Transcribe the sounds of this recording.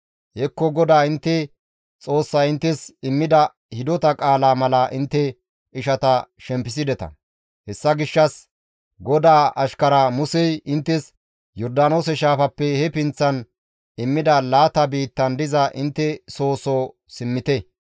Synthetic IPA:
hɛkːɔɡɔd̪aːɪnt̪ːɛ | t͡sʼo̞ːsːɐɪnt̪ːɛsɪmːɪd̪ɐ | hɪd̪ɔt̪ɐkʼaːlaːmɐlɐʔɪnt̪ːɛ | ɪʃɐt̪ɐʃɛmpːɪs̬ɪd̪ɛt̪ɐ̰ | hɛsːɐɡɪʃːɐs | ɡɔd̪aːʔɐʃkɐɾɐmʊsɛjɪnt̪ːɛs | jɔɾd̪aːno̞ːsɛʃaːfɐpːɛhɛpɪnt͡sːɐn | ɪmːɪd̪ɐlaːt̪ɐbiːt̪ːɐnd̪ɪzɐʔɪnt̪ːɛso̞ːso | sɪmːɪt̪ɛ

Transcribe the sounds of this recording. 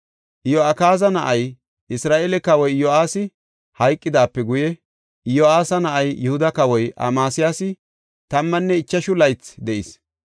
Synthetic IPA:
ʔjoɐkaːzɐnɐʔɐj | ʔɪsɾaːʔelɛkɐwɔjjoaːsɪ | hɐjkʼːɪd̪aːpːɛɡʊjɛ | joaːsɐnɐʔɐjjʊhʊd̪ɐkɐwɔjɐ̰maːsɪjaːsɪ | t̪ɐmːɐnːɛɪt͡ʃːɐʃʊlɐjt͡sd̪ɛʔɪs

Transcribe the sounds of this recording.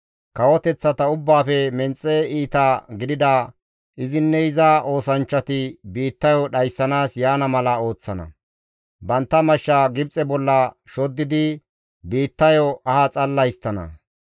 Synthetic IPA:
kɐwɔt̪ɛt͡sːɐt̪ɐʊbːaːfɛmɛnt͡sʼːɛiːt̪aɡɪd̪ɪd̪ɐ | ʔɪzɪnːɛɪzɐʔo̞ːsɐnt͡ʃːɐt̪ɪbiːt̪ːɐjɔɗɐjsːɐnaːsjaːnɐmɐlɐo̞ːt͡sːɐnɐ̰ | bɐnt̪ːɐmɐʃːaɡɪbt͡sʼɛbɔlːɐʃɔd̪ːɪd̪ɪ | biːt̪ːɐjɔɐhɐt͡sʼɐlːɐjst̪ːɐnɐ̰

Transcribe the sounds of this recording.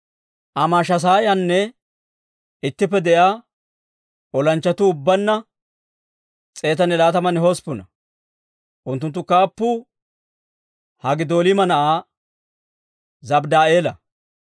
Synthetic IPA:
ʔɐmaːʃɐs̬aːjɐnːɛ | ɪt̪ːɪpːɛd̪ɛʔaː | ʔɔlɐnt͡ʃːɐt̪ʊːbːɐnːɐ | t͡sʼe̞ːt̪ɐnɛlaːt̪ɐmɐnɛhɔspʊnɐ̰ | ʔʊnt̪ːʊnt̪ːʊkaːpːʊ | hɐɡɪd̪o̞ːlɪmɐnɐʔaː | zɐbd̪aːe̞ːlɐ

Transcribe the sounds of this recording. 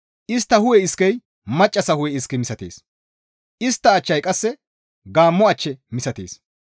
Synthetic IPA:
ʔɪst̪ːɐhʊwɛɪskɛj | mɐt͡ʃʼːɐsɐhʊwɛɪskːɪmɪsɐt̪eːs | ʔɪst̪ːɐːt͡ʃːɐjkʼɐsːɛ | ɡaːmːɔɐt͡ʃːɛmɪsɐt̪ḛːs

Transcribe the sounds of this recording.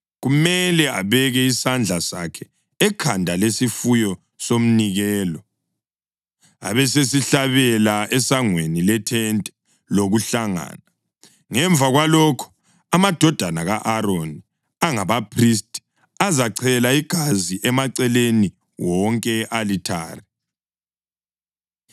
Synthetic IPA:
ɣumɛlɛa̰βɛɣɛisand͡ɮʱasa̰kʰɛ | ɛkʰandʱalesifujɔ | som̩niɣɛːlɔ | a̰βɛsesiɬaβɛlaɛsaŋwenilɛtʰɛntʼɛ̥ | loɣuɬaŋa̰ːna | ŋɛɱvʱaɣwalɔkʰɔ̥ | amad̥ʱɔd̥ʱanaɣaʔaɾoni | aŋaβapʰristʰʼi̥ | azaǀʰɛlaiɡ̥ʱaziʔɛmaǀɛleni | wɔŋkʼɛʔalitʰa̰ːri

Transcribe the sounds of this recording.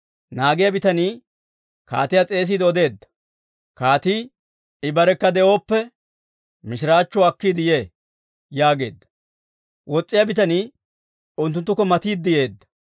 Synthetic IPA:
naːɡɪjabɪt̪ɐniː | ka̰ːt̪ɪjat͡sʼe̞ːs̬iːd̪ɔd̪e̞ːd̪ːɐ̥ | kaːt̪iː | ɪbɐɾɛkːɐd̪ɛʔo̞ːpːɛ | mɪʃɪɾaːt͡ʃːɔɐkːid̪ɪje̞ː | jaːɡe̞̰ːd̪ːɐ̥ | wɔt͡sʼːɪjabɪt̪ɐniː | ʊnt̪ːʊnt̪ːʊkːɔmɐt̪iːd̪ːɪje̞ːd̪ːɐ̥

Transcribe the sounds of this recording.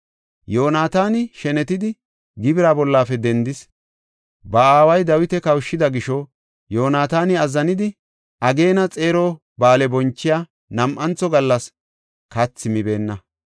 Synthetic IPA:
jo̞ːnaːt̪aːnɪʃɛnɛt̪ɪd̪ɪ | ɡɪbɪɾaːbɔlːaːfɛd̪ɛnd̪ɪs | bɐaːwɐjd̪ɐwɪt̪ɛkɐwʃːɪd̪ɐɡɪʃɔ | jo̞ːnaːt̪aːnɪɐzːɐnɪd̪ɪ | ʔɐɡe̞ːnɐt͡sʼe̞ːɾoː | baːlɛbɔnt͡ʃːɪjaː | nɐmʔɐnt͡sːɔɡɐlːɐs | kɐt͡sːɪmɪbe̞ːnːɐ

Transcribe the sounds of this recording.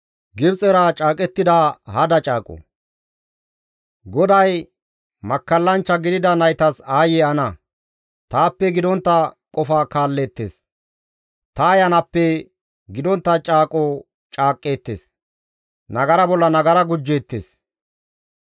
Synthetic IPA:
ɡɪbt͡sʼɛɾat͡ʃʼaːkʼɛt̪ːɪd̪ɐhɐd̪ɐt͡ʃʼaːkʼɔ̰ | ɡɔd̪ɐj | mɐkːɐlːɐnt͡ʃːɐɡɪd̪ɪd̪ɐnɐjt̪ɐsaːjeɐnɐ | t̪aːpːɛɡɪd̪ɔnt̪ːɐkʼɔfaːkaːlːeːt̪ːḛːs | t̪ɐːjɐnɐpːɛ | ɡɪd̪ɔnt̪ːɐt͡ʃʼaːkʼɔ | t͡ʃʼaːkʼːe̞ːt̪ːḛːs | nɐɡɐɾɐbɔlːɐnɐɡɐɾɐɡʊd͡ʒːe̞ːt̪ːeːs

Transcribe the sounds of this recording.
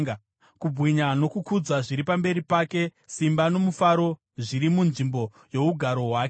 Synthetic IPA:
kubwiɲano̞kukud͡zaʐiɾipambe̞ɾipaːke̞ | simbano̞mufaɾo̞ | ʐiɾimunʐimbo̞ | jo̞uɡʱaɾo̞ɦwaːke

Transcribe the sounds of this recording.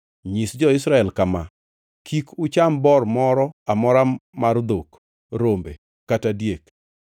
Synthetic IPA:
ɲisd͡ʒɔɪsɾaɛlkama | kʰikʊt͡ʃambɔrmɔɾɔamɔɾamard̪ok | ɾombḛ | katadjek

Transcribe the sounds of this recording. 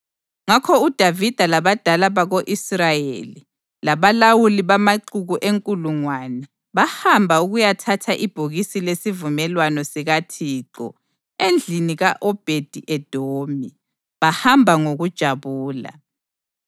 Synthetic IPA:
ŋakʰɔud̥ʱavid̥ʱalaβad̥ʱalaβaɣoʔisrajḛli | laβalawuliβamaǃuɣuʔeŋkʼuluŋwanɛ | βahambʱauɣujatʰatʰaʔib̥ʱuɣisilesivumɛlwanɔsiɣatʰiːǃɔ̰ | end͡ɮʱiniɣaʔɔb̥ʱed̥ʱiʔɛd̥ʱoːmi | βahambʱaŋoɣud̥ʒ̥ʱaβuːla̰

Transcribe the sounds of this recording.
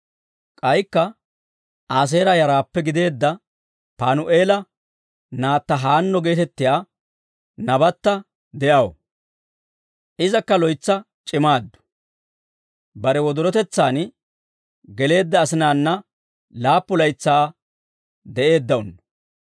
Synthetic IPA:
kʼɐjkːɐ | aːs̬e̞ːɾɐjɐɾaːpːɛɡɪd̪e̞ːd̪ːɐ | paːnʊʔe̞ːlɐ | naːt̪ːɐɦaːnːɔɡe̞ːt̪ɛt̪ːɪjaː | nɐbɐt̪ːɐ | d̪ɛʔɐwɔ̰ | ʔɪzɐkːɐlɔjt͡sːɐ | t͡ʃʼɪmaːd̪ːʊ̥ | bɐɾɛwɔd̪ɔɾɔt̪ɛt͡sːaːn | ɡɛle̞ːd̪ːɐːsɪnaːnːɐ | laːpːʊlɐjt͡sːaː | d̪ɛʔe̞ːd̪ːɐɔnːɐ

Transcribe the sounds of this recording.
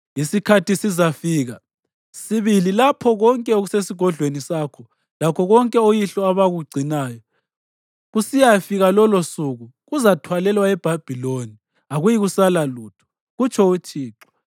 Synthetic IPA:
isikʰatisizafiːɣa | siβililapʰɔɣɔŋkʼɛoɣusesiɡ̥ʱɔɮʱwenisakʰɔ | lakʰɔɣɔŋkʼɛojiɬɔaβaɣuɡ͡ǀʱinaːjɔ | ɣusijafiɣalɔlosuɣuɣuzatʰwalɛlwaɛb̥ʱab̥ʱiloni | aɣujiɣusalaluːtʰu̥ | ɣut͡ʃʰɔut͡ʃʰʼiːǁɔ̥

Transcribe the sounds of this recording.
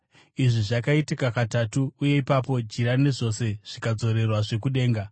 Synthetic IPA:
iʐiʐakaitikakatatuːje̞ipapo̞d͡ʒiɾane̞ʐo̞se̞ʐ̥ikad͡zo̞ɾe̞rwaʐe̞kuɗe̞ːŋɡa

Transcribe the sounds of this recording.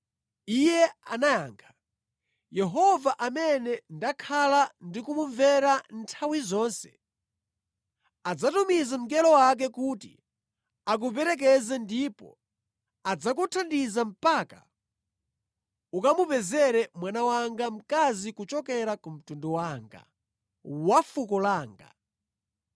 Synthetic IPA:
ijɛa̰najaːŋkʰḁ | jɛɦɔvaʔamɛnɛndakʰalandikumuɱvɛɾantʰawizɔːnsɛ̥̰ | ad͡zatumizam̩k̬ɛlɔwak̬ɛkutḭ | ak̬up̬ɛɾɛk̬ɛzɛndipɔ̰ | ad͡zak̬utʰandizam̩paka̰ | ukamupɛzɛɾɛmwanawaŋɡam̩kazikut͡ʃɔkɛɾakum̩tundɔwaːŋɡa̰ | wafukɔlaːŋɡa̰

